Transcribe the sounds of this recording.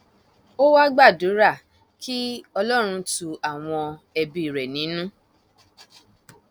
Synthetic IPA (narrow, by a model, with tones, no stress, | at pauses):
o˦wa˦ɡ͡ba˦˨du˨˦ɾa˦˨ | ki˦ɔ˧lɔ˦ɾ̃ũ˧tu˧a˨w̃ɔ̃˧ɛ˧bi˧i˨ɾɛ˨nĩ˨˦nũ˦